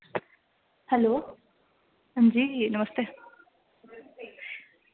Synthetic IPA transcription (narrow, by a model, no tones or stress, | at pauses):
hɛloː | ɦənd͡ʑiːinəməst̪e